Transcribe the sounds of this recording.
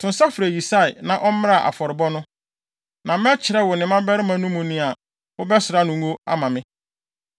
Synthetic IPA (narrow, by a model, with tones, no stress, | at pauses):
tʰʊ̃˨n˦sa˦fɾe˨ji˨sa˦ɪ˨nã˨ʔɔ˦m˦m˦a˦˨ʔa̰˨fɔ˨ɾɪ˨bɔ˦nʊ̃˦ | nã˨m˦ɛ˦t͡ɕʰɪ˨ɾɛ˦wʊ˨nɪ̃˨mã˦bɛ˦ɾɪ˦mã˨nũ˦mũ˨nɪ̃˦a˨ | ʊ˦bɛ˦sʊ˨ɾa˦nʊ̃˨ŋo˦a̰˦mã˨mɪ̃˦